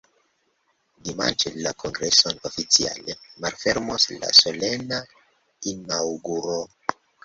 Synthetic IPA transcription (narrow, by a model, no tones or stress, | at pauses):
dima̰nt͡ʃelakʰo̞ŋɡɾeso̞nofit͡sia̰lemalfeɾmo̞sla̰so̞lena | inawɡuɾo